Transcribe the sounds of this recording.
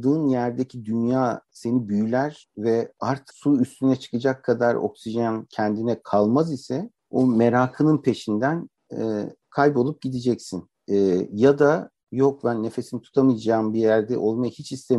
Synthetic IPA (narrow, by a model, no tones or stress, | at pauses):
d̪ɯːnjæɾd̪ecʰid̪ynjaːse̞nibyjylʲæɾ̥ | vɛaɾt̪ʰɯ̥suyst̪ʰynɛt͡ʃʰɯ̥kɯd͡ʒakʰːad̪aɾo̞̰ksiʒancʰɛnd̪inɛkʰalˠmazisɛ | ome̞ɾaːkʰɯnɯnpʰe̞ʃind̪æn̰ | kʰajbo̞lˠup̚ɟid̪id͡ʒɛcsin | ɛːjad̪a | jo̞kbænːe̞fe̞sinit̪ʰu̥t̪ʰamɯjad͡ʒaːmbijæɾd̪ɛʔo̞lˠmajɯhit͡ʃʰist̪ʰem